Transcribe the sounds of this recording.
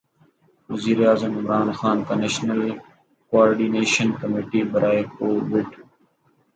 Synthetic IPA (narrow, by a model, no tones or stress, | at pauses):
ʋəziːɾeaːzəmɪmɾaːnxaːnt̪aːneːʃnəl | koaːɾɖiːneːʃənkəmiːʈiːbəɾʔaːjkoːʋʊʈ